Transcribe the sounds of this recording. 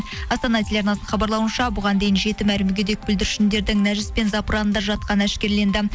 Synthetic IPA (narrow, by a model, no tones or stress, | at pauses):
ɑst̪ɑnɑt̪ʰʲelʲeɑɾnɑsəɴχɑbɑɾlˠɑwənʃɑbʊʁɑnd̪e̞jɪnʒe̞t̪ɪmælɪmɡʲe̞d̪e̞k̚bʏld̪ɪɾɪʃɪnd̪e̞ɾd̪ɪŋnæʒɪspe̞nzɑpɾɑnənd̪ɑʒɑt̪̚qɑnæʃkʲe̞ɾle̞nd̪ɪ